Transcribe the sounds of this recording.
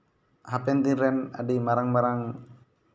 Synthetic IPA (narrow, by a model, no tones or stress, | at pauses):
ɦapɛnt̪iɾɛna̰dimaɾaŋmaɾaŋ